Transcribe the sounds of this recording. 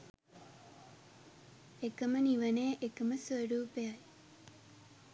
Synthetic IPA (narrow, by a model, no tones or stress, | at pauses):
ekəməniʋəneːʔekəməsəɽuːpeaj